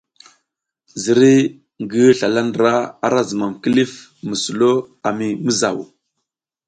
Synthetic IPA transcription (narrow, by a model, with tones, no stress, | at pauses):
zi˨ɾi˦ | ŋɡə˦ɬa˨la˦ndɾa˦a̰˨ɾa˦zə˨ma˨mki˦li˦f | mə˨su˨lo˦a˨mi˨mə˦za̰˨wṵ˨